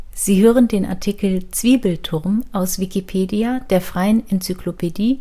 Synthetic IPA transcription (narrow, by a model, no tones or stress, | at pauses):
z̥iːɦøːʁəndeːnʔa̰ɐtʰikl̩t͡sv̥iːbl̩tʰʊɐmʔaʊsv̥ikipʰeːdiad̥eːɐfʁ̥aɪənʔɛnt͡syklopʰediː